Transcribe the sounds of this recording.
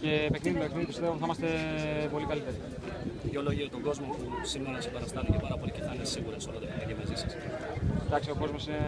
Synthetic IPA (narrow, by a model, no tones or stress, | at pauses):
ce̞pe̞kniðit̪oekniðip̪ist̪p̪uθimɐst̪e̞po̞likɐlit̪eɾi | oloʝiɾot̪oɡo̞zmopusimeɾonɐsibɐɾɐst̪ɐnic̪epɐɾɐpo̞liceθɐnesiɣuɾɐsolot̪epit̪ecemɐzisɐs | d̪ɐksio̞ko̞zmo̞sine